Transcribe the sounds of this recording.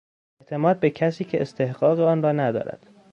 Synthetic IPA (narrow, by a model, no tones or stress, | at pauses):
eʔt̪ʰe̞mɒːd̪̚becʰæsiːcʰe̞est̪ʰehɢ̥ɒːɣeɒːnrɒːnæd̪ɒ̰ːɾæ̰d̪̥